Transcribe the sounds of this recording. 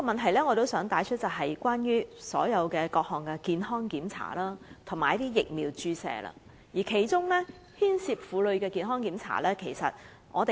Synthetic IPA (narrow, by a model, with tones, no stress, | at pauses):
kɔ˧mɐ˨nt̪ʰɐ˨˩jlɛː˥ŋɔː˨˧t̪o˥wsœː˨˥ŋt̪aː˨˥jt͡ʃʰɵ˥t̚t͡sɐ˨˩ɦɐ˨jkwaː˥njyː˥sɔ̰ː˨˥jɐ˨˧wkɛː˧kɔː˧k̚hɔː˨ŋkɛ˧kiː˨nhɔː˥ŋkiː˨˥mt͡sʰa̰ː˨˩lɐː˥t̪ʰʊ˨˩maː˨˩jt̪iː˥jɪ˨k̚miː˨˧wt͡ʃyː˥sɛ̰ː˧lɐ̰ː˧ | jiː˨˩kʰe˨˩jt͡sʊ˥ŋlɛ˥ | hiː˥nsiː˧p̚fuː˨˧lɵ˨˧ɥkɛː˧kiː˨˧nɦɔː˥ŋkiː˨˥mt͡sʰa̰ː˨˩lɛː˥kʰe˨˩jsɐ̰˨t̚ | ŋʔɔ̰ː˨˧t̪e˨